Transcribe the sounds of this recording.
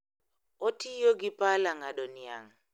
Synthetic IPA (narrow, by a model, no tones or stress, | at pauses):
otʰijoɡipalaŋaɗonia̰ŋ